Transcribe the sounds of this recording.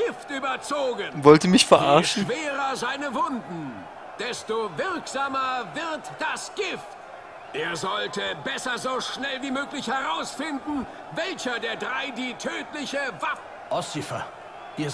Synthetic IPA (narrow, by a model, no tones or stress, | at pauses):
ɡ̥ɪftʔyːbɐt͡soːɡənvɔltəmɪçfɛɐʔaɐʃn̩v̥eːʁɐzaɪnəvʊndn̩ | d̥ɛstovɪɐkz̥aːmɐvɪɐtd̥asɡ̥ɪft | ʔeːɐzɔltəbɛsɐzoːʃnɛlviːmøːklɪçhɛʁaʊsfɪndn̩ | vɛlçɐdeːɐdʁaɪdiːtʰøːtlɪçəvaf | ʔɔsifɐ̰ | ʔiːɐ